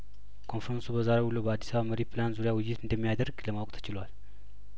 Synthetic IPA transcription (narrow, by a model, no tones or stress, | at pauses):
kʰo̞nfɾənsubəzaɾehulːuobəad̪ːi̥saβaməɾipʰlanzuɾijawɨjːɪt̪ɨnd̪əmːijad̪əɾɡləmawkʼt̪ʰə̥t͡ʃɪlwal